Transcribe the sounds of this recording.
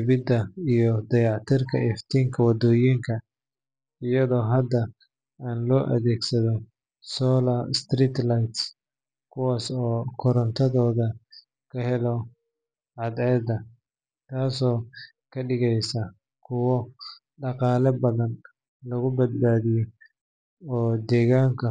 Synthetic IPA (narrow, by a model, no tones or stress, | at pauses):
βɪd̪ɐijɔd̪ɐjɑʕt̪ʰɪrkʰɐʔɛft̪ʰiːŋkʰɐwɑd̪ɔːjiŋkʰɐ | ɪjɐðɔːɦɐd̪ɐ | aːnlɔːʔɐ̰ðɛːɡsɐðɔ | sɔːlast̪riːt̪lajt̪s | kʰʊwaːsɔːkʰɔɾɐnt̪ʰɐðɔːðɐ | kʰɐhɛlɔ | ʕɑd̪ɛːd̪ɐ | t̪ʰaːsɔː | kʰɐɗɪɣɛjsɐ | kʰʊwɔ | ɖɑqɑːlɐbɐðɐn | lɐɣʊbɐd̪̚baːðijɔ | ɔːd̪ɛːɣaːŋkʰɐ